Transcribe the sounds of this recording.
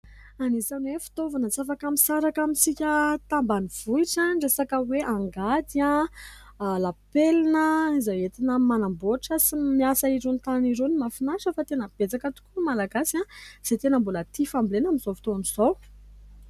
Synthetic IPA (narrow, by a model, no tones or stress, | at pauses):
anizanwefi̥t̪ovanət͡safakamisaɾakamisikʲət̪ambaniv̥uiʈ͡ʂanɖ͡ʐesakəweʔaŋɡad̪iã | lapelinəizaet̪inəmanamboʈ͡ʂəsimiasaiɾont̪aniɾonimafinaʃəfat̪enəb̥et͡sakət̪u̥kumalaɡasãz̥et̪enəmbulət̪ifambilenamizofit̪oaniz̥ow